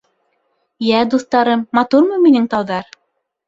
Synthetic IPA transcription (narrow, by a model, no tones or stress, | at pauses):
jæd̪uθt̪ɑɾɤmːɑt̪uɾmɤjminɘŋt̪ɑwðɑɾ